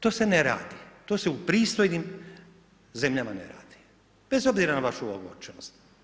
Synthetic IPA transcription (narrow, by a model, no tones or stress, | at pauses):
t̪o̞ːseneɾa̰ːd̪it̪o̞ːseupɾiːst̪o̞jnim | ze̞mʎamanḛɾa̰ːd̪̥i̥ | b̥e̞zo̞bziɾanaʋaʃuoɡo̰ɾt͡ʃnost̪